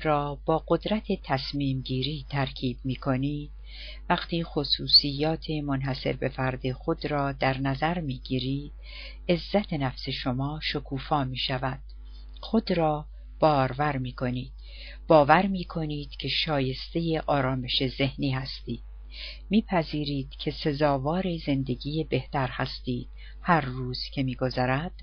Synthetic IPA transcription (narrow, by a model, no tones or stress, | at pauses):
ɾɒːb̥ɒːɡo̞d̪ɾæt̪ʰe̞t̪ʰæsmiːmɟiːɾiːt̪ʰæɾcʰiːb̥̚miːkʰo̞niːd̪̥ | væɡt̪ʰiːxosuːsijːɒːt̪ʰe̞monɦæse̞̰ɾbe̞fæɾd̪exo̞d̪ɾɒːd̪æɾnæzæɾmiːɡiːɾiːd̪̥̚ | e̞zːæt̪ʰe̞næfse̞ʃomɒːʃokʰuːfɒːmiːʃævæd̪̥̚ | xo̞d̪ɾɒː | b̥ɒːɾvæɾmiːkʰo̞niːd̪̥ | b̥ɒːvæɾmiːkʰo̞niːd̪̥cʰe̞ʃɒːje̞st̪e̞jeʔɒːɾɒːme̞ʃe̞ze̞hniːɦæst̪iːd̪̥̚ | miːpʰæziːɾiːd̪̥cʰe̞se̞zɒːvɒːɾize̞nd̪e̞ɡiːjebe̞ht̪æɾhæst̪iːd̪̥̚ | hæɾːuːz̥cʰe̞miːɡo̞zæɾæd̪̥